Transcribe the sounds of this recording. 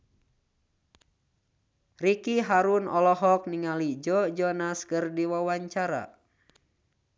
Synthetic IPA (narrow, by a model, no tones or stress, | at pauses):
rikiɦaɾunɔlɔɦɔk̚niŋalid͡ʒɔd͡ʒɔnaskɨrdiwawaɲt͡ʃaɾa̰